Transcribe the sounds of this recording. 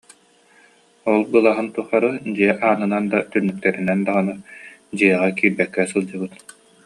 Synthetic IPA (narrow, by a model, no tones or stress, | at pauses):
ɔlˠbɯlˠaɦɯnt̪uχaɾɯd͡ʑiɛʔaːnɯnand̪at̪ynːyk̚t̪ɛɾynɛnd̪aʁanɯd͡ʑɯɛʁakiːɾbɛkːɛsɯlˠd͡ʑɯbɯt̪